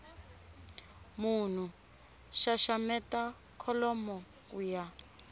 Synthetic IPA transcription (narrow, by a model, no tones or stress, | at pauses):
mun̤u | ʃaʃamɛta | kʰɔlɔmɔ | kuja